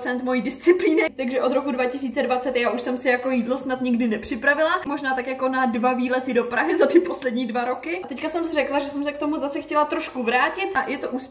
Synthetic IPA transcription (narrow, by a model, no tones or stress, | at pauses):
t͡sɛnt̪mo̞jiːdɪst͡sɪpliːnɪt̪aɡʒɛʔo̞d̪ɾo̞kudvacɪs̬iːt͡sɛdvat͡sɛt̪jaːʔuʃsɛmsɪjako̞jiːdlo̞snat̪ɲɪɡdɪnɛpr̥ɪpɾavɪlamo̞ʒnaːt̪akjakonadvaviːlɛt̪ɪdo̞pɾaɦɪzat̪ɪpo̞slɛd̚ɲiːdvaɾo̞kɪat̪ɛckasɛmsɪrɛklaʒɛsɛmsɛk̚t̪o̞muzasɛxcɛlat̪ɾo̞ʃkuvɾaːcɪt̪ʔajʔɛt̪oʔuːs